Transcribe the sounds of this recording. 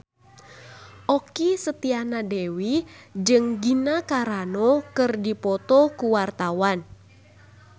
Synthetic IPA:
ʔɔkisət̪ianadewid͡ʒɨŋɡinakaɾanɔkɨrdipɔt̪ɔkuwart̪awan

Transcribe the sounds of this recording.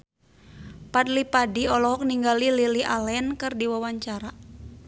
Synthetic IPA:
padlipadiɔlɔɦɔk̚niŋɡalililiʔalɛnkɨrdiwawaɲt͡ʃaɾa

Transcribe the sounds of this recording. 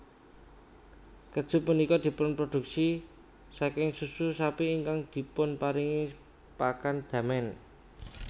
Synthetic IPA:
kəd̥ʒ̥ṳpunikɔd̪̥i̤pʊnpɾod̪̥ṳksi | sakɪŋsususapiːŋkaŋd̪̥i̤pʊnpaɾiŋi | pakand̪̥ä̤mɛn

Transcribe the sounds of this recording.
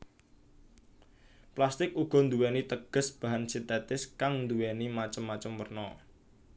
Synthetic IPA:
plast̪ɪk̚uɡ̥ɔ̤nd̪uwɛnit̪əɡ̥ə̤sb̥a̤ɦansint̪ɛt̪ɪskaŋnd̪uwɛnimat͡ʃəmːat͡ʃəmwərnɔ

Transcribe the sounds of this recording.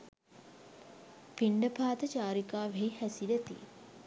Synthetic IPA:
piɳɖəpaːt̪ət͡ʃaːɾikaːʋeɦihæsilɛt̪ḭ

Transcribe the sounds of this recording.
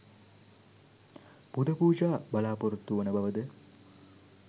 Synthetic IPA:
pud̪ʱɐpuːd͡ʒaːbɐlaːpuɾut̪ːuʋɐnəbɐʋəd̪ə

